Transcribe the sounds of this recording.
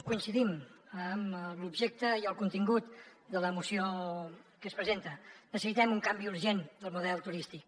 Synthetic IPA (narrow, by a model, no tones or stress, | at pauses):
kuinsiðiməmlubʒek̚t̪əiəlˠkunt̪iŋɡut̪d̪ələmusio | kəspɾəzent̪ənəsəsit̪ɛmuŋkambiuɾʒend̪əlˠmuðɛlˠt̪uɾist̪ik̚